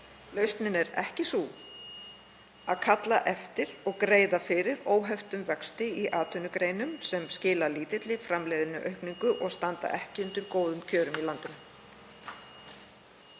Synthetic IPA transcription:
lœɥst̪nɪnɛɾɛ̰hcɪsu | aðkʰat̪laʔɛft̪ɪɾɔɣkɾeːjðafɪɾɪɾoːwɦɛft̪ʏmvɛkst̪ɪiʔaːt̪ʰʏnʏkɾeːjnʏmsɛmscɪːlaliːt̪ɪt̪lɪfɾamleːjðɪnʏʔœɥhkniŋkʏʔɔɣst̪ant̪a̰ʔɛhcɪʏnt̪ʏɾkoːwðʏmcʰœːɾʏmilant̪ʏm

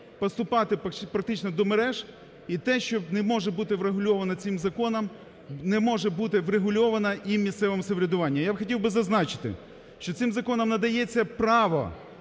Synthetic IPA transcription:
pɔst̪ʊpɑt̪ɪppɾɐk̚t̪ɪt͡ʃnɔd̪ɔmeɾɛʒ | it̪ɛʃt͡ʃɔnɛmɔʒɛbut̪ɪʋɾeɦʊlʲɔʋɐnɐt͡sʲɪmzɐkɔnɐm | nɛmɔʒɛbut̪ɪʋɾeɦʊlʲɔʋɐnɐʔimʲist̪sɛʋɔmseʋɾʲɐd̪ʊʋɑnʲːɐjabxɔtʲiwbɪzɐznɑt͡ʃɪ̥t̪ɪ̰ | ʃt͡ʃɔt̪sɪmzɐkɔnɐmnɐd̪ɐjɛt͡sʲːɐpɾɑʋɔ̰

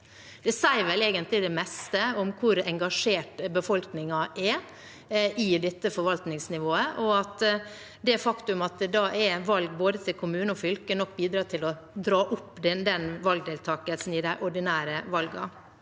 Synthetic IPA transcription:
d̪̥ɛsæɪɾʋɛleːɡənt̪lɪd̪ɛmɛst̪əɔmkʰʊɾɛŋɡɑʂeːʈbəfɔlknɪŋɑʔɛ | ɪd̪ɛt̪ːəfɔɾʋɑlt̪nɪŋsnɪʋoːəʔɔɑt̪ | d̪ɛæfɑkt̪ʉmɑt̪d̪ɑʔɛʋɑlɡ̚boːd̪ət̪ʰɪlkʰʊmʉːnəɔfʏlkənɔkːbiːd̪ɾɑːt̪ʰɪlɔ | d̪ɾɑːʔʊpːd̪ɛd̪ɛnʋɑlɡ̚d̪eːlt̪ʰɑːkəlsn̩ɪd̪æɪʔɔɖɪnæːɾəʋɑlɡɑ̰

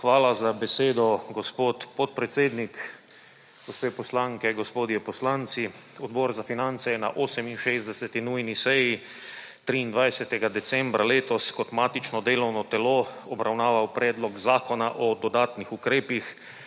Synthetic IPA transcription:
xʋaːlazabɛseːd̪ɔɡospoːt̪pɔt̪̚pɾɛt̪seːd̪nik | ɡ̥ospeːpɔslaŋkɛɡospoːd̪jɛpɔslant̪siɔd̪bɔɾzafinant̪sɛjɛna̰ʔoːsɛminʃeːzd̪ɛsɛt̪inujnisɛji | t̪ɾiːnd̪ʋajsɛt̪ɛɡad̪ɛt̪sɛ̃mbɾaleːt̪ɔskɔt̪maːt̪it͡ʃnɔd̪eːlɔwnɔt̪ɛloɔbɾawnaːʋawpɾɛːd̪lɔɡzaːkɔnaʔɔd̪ɔd̪aːt̪nixukɾeːpix

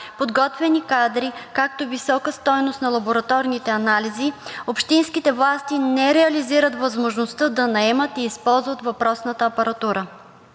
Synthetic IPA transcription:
pod̪ɡɔt̪vɛnikad̪ɾikak̚t̪ovisɔkəst̪ɔjnost̪nɐlˠɐboɾɐt̪ɔɾnit̪ɛɐnaliziopʃt̪inskit̪ɛvlˠast̪inɛɾɛɐliziɾət̪vəzmoʒnost̪əd̪ɐnɐɛmət̪iːspɔlˠzvət̪vɐpɾɔsnət̪əːpɐɾɐt̪uɾə

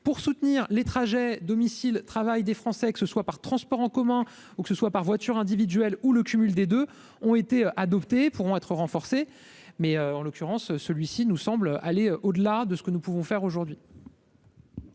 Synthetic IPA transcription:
puʁsut̪niːʁlet̪χaʒɛd̪ɔmisilt̪χavajd̪efχɑ̃sɛkə̥səswapaʁt̪χɑ̃spɔʁɑ̃kɔmɛ̃ | ukə̥səswapaʁvwat̪yʁɛ̃d̪ivid̪ɥɛluləkʲymyld̪ed̪ø | ɔ̃et̪eøʔad̪ɔpt̪epuʁɔ̃ɛt̪χəʁɑ̃fɔʁse | mɛøɑ̃lokʲyʁɑ̃søsəlɥisinusɑ̃bløʔaleøʔod̪əlad̪əsə̥kənupuvɔ̃fɛʁoʒuʁd̪ɥi

